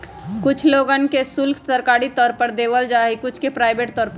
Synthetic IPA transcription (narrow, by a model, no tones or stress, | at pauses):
kʊt͡ʃʰloːɡənkesʊlkʰt̪əɾkaːɽit̪ɔːɾpəɾd̪eʋəld͡ʒaːɦikʊt͡ʃʰkepɾaːɪbeʈ̚t̪ɔːɾp